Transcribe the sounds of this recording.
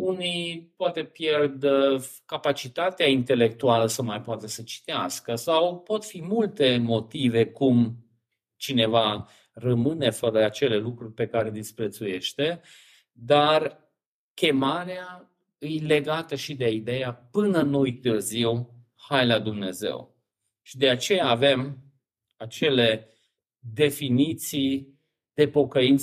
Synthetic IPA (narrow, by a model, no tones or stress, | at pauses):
unipoat̪e̞pjerd̪kapat͡ʃit̪at̪eaint̪e̞le̞k̚t̪ualəsəmajpoat̪əsət͡ʃi̥t̪easkəsawpo̞t̪fimult̪e̞mo̞t̪ive̞kum | t͡ʃine̞va | rəmɨne̞fəɾəat͡ʃe̞le̞lukɾurʲpe̞kaɾe̞d̪ispɾe̞t̪suje̞ʃt̪e̞ | d̪ar | kʲe̞maɾea | ɨjle̞ɡat̪əʃid̪eid̪e̞japɨnənojt̪ɨrziw | hajlad̪umne̞ze̞̰w | ʃid̪e̞at͡ʃe̞jaːve̞m | at͡ʃe̞le̞ | d̪e̞finit̪si | d̪̥e̞po̞kəint̪